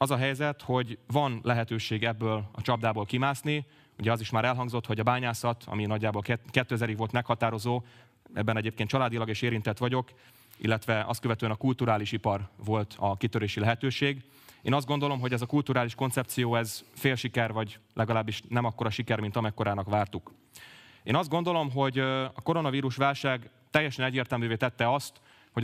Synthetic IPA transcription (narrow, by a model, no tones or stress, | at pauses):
ɒzɒɦɛjzɛt̪ho̞ɟvɒnlɛɦɛt̪øːʃeːɡɛbːøːlɒ̰t͡ʃɒbd̪aːboːlkimaːsni | uɟɛɒziʃmaːɾɛlɦɒŋɡzo̞t̪ho̞ɟɒbaːɲaːsɒt̪ʰɒ̰minɒɟːaːbolkɛt̪ːøːɛzɛɾiɡʋolt̪mɛkhɒt̪aːɾo̞zoː | ɛ̰bːɛnɛɟeːp̚kent͡ʃɒlaːd̪ilɒɡeːʃeːɾint̪ɛt̪ʋɒɟo̞k | ḭlːɛt̪ʋɛɒ̰st̪̚køvɛt̪øːɛnɒkult̪uɾaːliʃipɒrvo̞lt̪ɒkit̪øɾeːʃilɛɦɛt̪øːʃeːɡ | ḛːnɒzd̪̚ɡo̞nd̪o̞lo̞mɦo̞ɟɛzɒkult̪uːɾaːliʃko̞nt̪sɛp̚t̪sijoːɛzfeːlʃikɛrvɒɟlʔɛɡɒlaːbːiʃnɛmɒkːo̞ɾɒʃikɛrmint̪ɒmɛkːo̞ɾaːnɒkʋaːrt̪uk | eːnɒzd̪ɡo̞nd̪o̞lo̞mɦo̞ɟɒko̞ɾo̞nɒviːɾuʃʋaːlʃaːɡ | t̪ɛjːɛʃɛnɛɟːeːrt̪ɛlmyːveːt̪ɛt̪ːɛɒst̪ | ho̞ɟ